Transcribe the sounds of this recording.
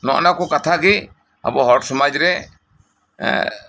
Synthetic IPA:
nɔ̰ʔnakɔkat̪ʰaɡi | a̰bɔɦɔɾʈsɔmad͡ʒɾɛ

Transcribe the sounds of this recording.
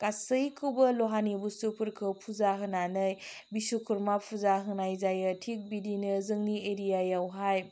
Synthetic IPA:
kasɯjkʰɯwbɐloɦanibusupʰuɾkʰɯpʰuzaɦɯnanɯjbisukʰuɾmapʰuzaɦɯnajzajɯtʰik̚bidinɯzɯŋnieɾijajawɦaj

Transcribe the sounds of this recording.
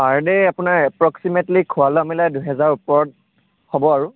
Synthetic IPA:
aɹdɛjapʊnaɹɛpɹɔksimetlikʰʊwalɔamilajduɦɛzaɹupɔɹɔt̚ | hobɔaɹu

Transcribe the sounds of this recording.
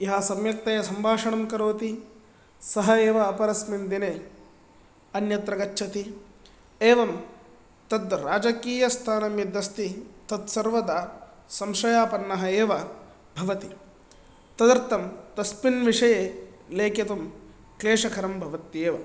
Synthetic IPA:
iɦɐsɐmjɐk̚t̪ɐjɐsɐmbʱaːʂɐɳɐmkɐɾoːt̪i | sɐɦɐeːʋɐːpɐɾɐsmind̪ine | ɐnjɐt̪ɾɐɡɐt͡ʃːʃʰɐt̪i | eːʋɐm | t̪ɐd̪ɾaːd͡ʒɐkiːjɐst̪ʰaːnɐmjɐd̪ɐst̪it̪ɐt̪sɐɾʋɐd̪ɐ | sɐmʂɐjaːpɐnːɐɦɐeːʋɐ | bʱɐʋɐt̪i | t̪ɐd̪ɐɾt̪ɐmt̪ɐspinʋiʂɐjeleːkɐt̪ɐm | kleːʂɐkʰɐɾɐmbʱɐʋɐt̪jeːʋɐ

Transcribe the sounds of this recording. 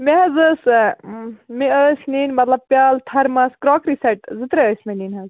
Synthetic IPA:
meɦɐzɨs | miəsninmɐt̪lɐb̚pʲjaːlt̪ʰɐɾmɐskɾɔːkɾisɐʈzɨt̪ɾɐəːsmininɦɐz

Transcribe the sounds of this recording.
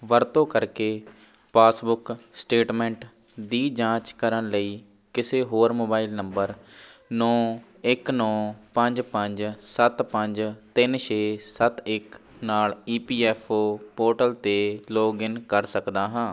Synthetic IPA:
ʋəɾt̪õːkəɾkeː | paːsbʊksʈeːʈmɛ̃ːɳʈ | d̪iːd͡ʒãːt͡ʃkəɾənləiː | kɪseːɦoːɾmoːbaːilnəmbəɾnɔ̃ː | ɪknɔ̃ːpəɲd͡ʒpəɲd͡ʒsət̪pəɲd͡ʒt̪ɪnʃeːsət̪ɪknaːliːpiːɛːpʰoːpoːɾʈəlt̪eːloːɡɪnkəɾsəkd̪aːɦãː

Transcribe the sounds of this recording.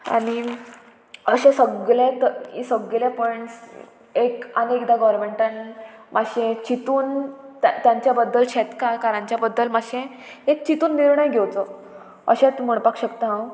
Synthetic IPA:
a̰ɽ̃i | əɕẽsəɡlẽt̪əḭsəɡljapɔəeɳʈs | ekanekd̪aɡɔɾmeɳʈanmʔaɕẽt͡ɕit̪uːnt̪jãɲt͡ɕjabəd̪ːəlɕɛt̪kakaɾãɲt͡ɕjabəd̪ːəlmaɕẽ | ek̚t͡ɕit̪uːnːiɾɳəjɡʱewt͡sə | ə̰ɕẽt͡sməɳpakɕəkt̪aɦãw

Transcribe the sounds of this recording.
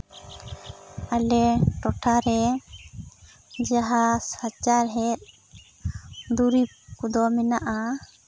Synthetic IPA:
alɛʈɔʈʰaɾɛ | d͡ʒaɦasat͡ʃaɾɦɛt̪̚ | d̪uɾi | kud̪ɔminaʔa

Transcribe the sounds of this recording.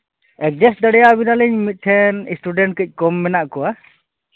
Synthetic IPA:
ɛk̚d͡ʒɛsd̪əɽɛjabinaləɲmit̪̚ˀt̪ʰɛnisʈuɖɛɳʈ̚kəc̚ˀkɔmːɛnaʔkɔwa

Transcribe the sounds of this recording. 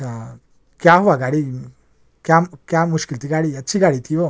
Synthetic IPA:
kjaɦoʋaɡaɽi | kjakjamuskilt̪iɡaɽiət͡ɕiɡaɽit̪ʰio

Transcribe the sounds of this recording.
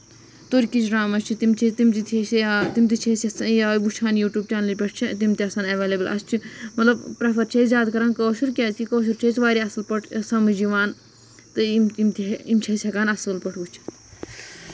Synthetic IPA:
t̪oːɾʲkit͡ʃʰɾaːmɐst͡ʃʰit̪imt͡ʃʰit̪imt̪it̪ʰest̪imt̪̬it͡ʃʰesʲɐsjabut͡ʃʰaːnjuːʈjuːb̚t͡ʃʲaːnlipʲeʈ̚ʰt͡ʃʰit̪imt̪iɐsaːnɐʋeːleːbəlɐ̰st͡ʃʰimɐt̪lɐbpɾɐpʰɐɾt͡ʃʰezʲjaːd̪kɐɾaːnkoːʃuɾkʲazkikoːʃ̬uɾt͡ʃʰesʋaːɾiɐsɨlpɐʈʰsɐmɨd͡ʒiʋaːn | t̪ɨimimt̪iimt͡ʃʰɐsʲɦɐkaːnɐsɨlpɐʈʰut͡ʃʰi̥

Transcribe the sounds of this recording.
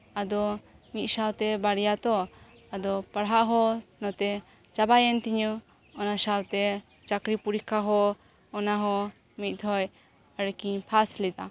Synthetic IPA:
ad̪ɔ | ŋit̪̚sawt̪ɛbaɽijat̪ɔ | ad̪ɔpaɽɦaʔɦɔnɔt̪ɛ | t͡ʃabajɛnt̪iɲɔ | ɔnasawt̪ɛ | t͡ʃakɾipuɾikʰaɦɔː | naɦɔ | mit̪̚ˀd̪ʰʱɔj | əɽkiɲpʰaslid̪a̰

